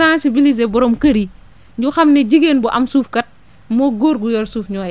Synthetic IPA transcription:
asibiliz̬ebɔɾɔmkɐɾi | ɲɟuxɐmnɛɟiɡeːnbuʔɐmsuːfkɐt̚ | mɔːɡoːɾɡujɔːɾsuːfɲɔːjɛ

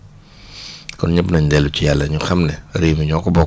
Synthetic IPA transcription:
kɔnɲɛbnɐɲdɛlːut͡ʃijalːɐɲuxɐmnɛɾiːmiɲɔkɔbɔ

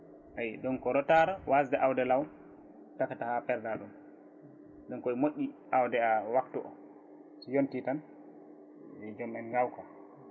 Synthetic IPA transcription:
ʔajɗunkɔɾɔtaɾɔwasdɛʔawdɛlaw | takatahapɛɾdaɗum | ɗɔnkɔjmoʔʲːiʔawdɛawaktuʔɔ̰ | sijontitan | wɛd͡ʒɔmɛnɡawka

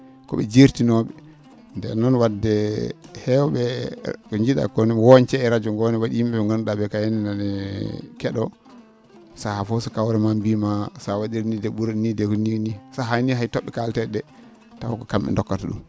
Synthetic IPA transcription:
kɔ̰ɓɛ̰d͡ʒiɾtinɔɓɛ | ndɛ̰nːɔnwadːɛhɛwɓɛkɔɲd͡ʒiɗa̰kɔnɛwɔnt͡ʃɛɛɾad͡ʒɔŋɡɔnɛwaɗihimɛɓɛŋɡɔnɗaɓɛkajaninanɛkɛɗɔ | sahafɔsɔkawɾɛmambimasawaɗiɾnidɛɓuɾnidɛkɔninisaɦaniɦajtɔɓːɛkaltɛɗɛ | tafɔkɔkamɓɛ̰ndɔkːataɗṵm

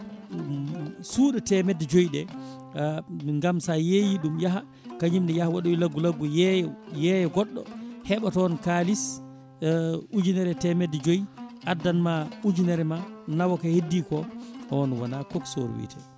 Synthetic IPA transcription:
suːɗɔtɛmɛdːɛd͡ʒojɗɛ | ŋɡamsajejiɗumjaɦa | kaɲimɗɛjahawaɗoilaɡːulaɡːujɛjɛjɛɡɔɗːɔ̰hɛɓatɔnkalis | ud͡ʒunɛɾɛtɛmɛdːɛd͡ʒojiʔadːanmaud͡ʒunɛɾɛmanawɔkahedːikɔɔɔnwa̰nakɔkso̰ɾ̰wḭːtʰɛ

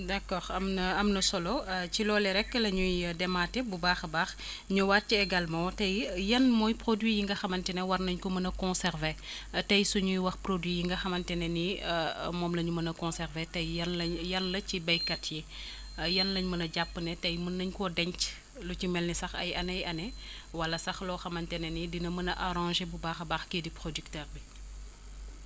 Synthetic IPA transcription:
dɐkɔːɾɐmnɐɐmnɐsɔlɔt͡ʃilɔːlɛɾɛkːəlɐɲujdɛmaːtɛbubaːxbaːx | ɲuwaːt̚t͡ʃiɛɡɐlmɔwtɐjjɐnmɔːjpɾodwijiŋɡɐxɐmɐntɛnɛwɐrnɐɲkɔmɐnɐkɔ̃nsɛɾvɛ | tɐjsuɲujwɐxprodwijiŋɡɐxɐmɐntɛnɛnimɔːmlɐɲumɐnɐkɔ̃sɛrvɛtɐjɐnlɐɲjɐnlɐcibɐjkɐtʰji | jɐnlɐɲmɐnɐɟapːənɛtɐjmɐnːɐɲkɔdɛɲc | lucimɛlnɛsɐxɐ̰jɐnɐjɐnɛ | wɐlɐsɐxlɔːxɐmɐntɛnɛnidinɐmɐnɐʔɐɾɑ̃ːʒebubaːxɐbaːxkedipɾodyktɛːrbi

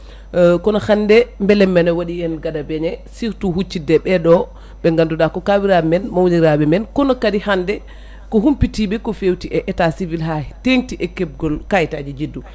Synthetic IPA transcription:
kɔnɔhandɛmbɛlɛmːɛnɛwaɗiɛnɡadabɛɲɛsiɾtuhut͡ʃːidɛɓɛɗɔ | ɓɛŋɡandudakɔkawiɾamɛnmawliɾaɓɛmɛnkɔnɔkadihandɛ | kɔhumpitiɓɛkɔfewtiʔɛʔɛtasivilɦahɛteŋtiʔɛkɛb̚ɡɔlkajtad͡ʒid͡ʒidːu

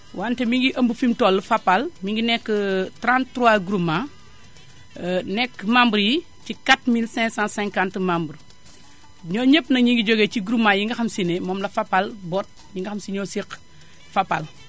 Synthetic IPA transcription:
wʔaːntɛmiŋɡiʔɐmbufimtɔlːfapːalmiŋɡinɛkːətɾãntːɾuwaɡɾuma | nɛkːmambəɾji | cikatmilsɛ̃ŋsãsɛ̃ŋkãntmambəɾ | ɲɔːɲəpːnɐɲiŋɡiɟoɡeciɡɾumajiŋɡɐxɐmsinemɔmlɐfapːalbɔt̚ | ɲiŋɡixɐmsiɲosik | fapːal

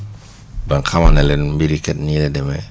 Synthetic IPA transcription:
baŋkʰamanɛlɛnbiɾikɛt̚nilɛdɛmɛ

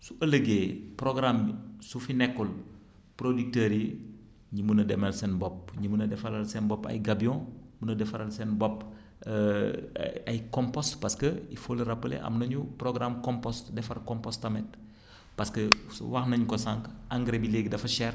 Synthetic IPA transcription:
suɐləɡeːprɔɡɾamsufinɛkːɔl | prodik̚təɾi | ɲimunɐdɛmɛlsɛnbɔp̚ɲimunɐdɛfɐlɐlsɛnbɔpɐ̰jɡabiɔ̃munɐdɛfɐlɐlsɛnbɔp | ɐjkɔmpɔstpɐskəifolɾɐpːəlɛ̰ʔɐ̰mnɐɲuprɔɡɾamkɔmpɔstdɛfɐrkɔmpɔstɐmɛt̚ | pɐskəwɐxnɐɲkɔsaŋkɐŋɡɾebileɡdɐfɐʃɛr

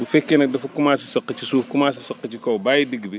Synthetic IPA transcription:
bufɛkːɛnɐk̚dɐfukumaːsisɐqːət͡ʃisuːfkumaːs̬isɐqːɐt͡ʃikɔwbaːjidiɡbi

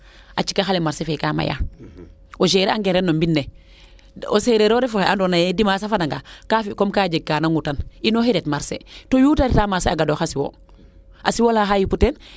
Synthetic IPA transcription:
ʔa̰t͡ʃi̥kaxalemaɾsefekaːma̰ja̰ | oʃeɾeaŋɡenɾenːombinːe | oseɾeɾoːɾefuxeʔandonajedimasafadaŋɡakafikomkaːd͡ʒeɡ̚kanaŋɡutaninoheɾetmaɾsḛtojuːtaɾitamaseaɡadoxasiwo̰ | ʔasiwolaxajiputen

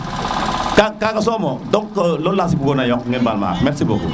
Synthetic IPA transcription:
kakakas̬ɔmɔdɔkkːəlolas̬ibuɡonajɔk̚ŋɛnbalma̰ːmɛt̚sibo̰ɡṵ

